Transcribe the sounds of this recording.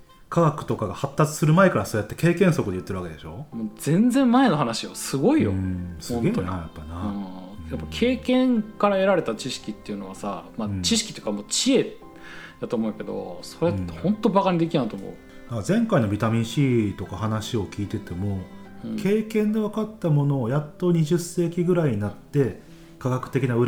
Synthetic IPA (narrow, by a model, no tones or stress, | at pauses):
kʰaɡakɯ̟̥t̪o̞kaɡahat̪ːat͡sɨ̥sɨɾɯ̟maekaɾasoːjat̪ːe̞ke̞ːkẽ̞ɰ̃so̞kɯd̪eɯ̟t̪ːeɾɯake̞d̪e̞ɕo̞mod͡z̥ẽ̞nd͡zzẽ̞mmːae̞no̞ɦanaɕijo̰sɨɡo̞ijosɨ̃ɡeːnajapːanajapːakʰe̞ːkẽ̞ŋkaɾaeɾaɾe̞t̪at͡ɕiɕi̥kʲit̪ːe̞iɯ̟no̞βasa̰mat͡ɕiɕ̬i̥kʲit̪oejɯ̟kamoːt͡ɕie̞ | d̥̪at̪o̞ːmoɯ̟ke̞d̪o̞̰so̞ɾehõ̞nt̪ːo̞bakaɲ̟id̪e̞kʲinait̪omo̞̰ɯ | azẽ̞ŋkaino̞bʲit̪amʲĩɰ̃ɕiːt̪o̞kahanaɕio̞kʲiːt̪e̞t̪e̞mo̞ | kʰe̞ːkẽ̞nd̪e̞βakat̪ːamo̞no̞ːjat̪ːo̞ɲ̟iʑɨsːe̞ːkʲiɡɯ̟ɾaiɲinat̪ːe̞ | kaɡakɯ̟̥t̪e̞kʲinaɯ̟ɾ